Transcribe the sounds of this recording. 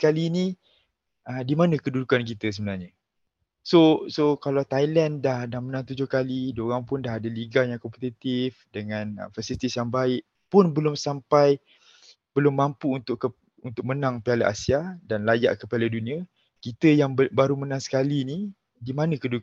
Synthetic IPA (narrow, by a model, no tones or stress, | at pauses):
kalini | ədimanə̃kədudukankit̪əs̬əbənarɲa | sosokalat̪ajlandahdahmənãŋt̪ud͡ʒʊhkaliduoɣaŋpʊndaɦadəliɡajaŋkɔmpet̪it̪ifdəŋãnə̰fasilit̪isjaŋbaɪʔ | pʊnbəlʊmsampaj | b̥əlʊmːampuːnt̪ʊʔkə | unt̪ʊk̚mənãŋpialaʔa̰siadanlaja̰ʔkəpaladunĩa | kit̪əjaŋbbaɾumənãŋsə̥kalini | dimanə̃kədu